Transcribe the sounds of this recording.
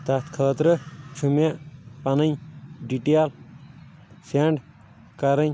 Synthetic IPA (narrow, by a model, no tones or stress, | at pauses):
t̪ɐt̪kʰəːt̪ɾɨt͡ʃʰumjapɐnɐɲɖiʈeːl | seːɳɖ | kɐɾɐɲ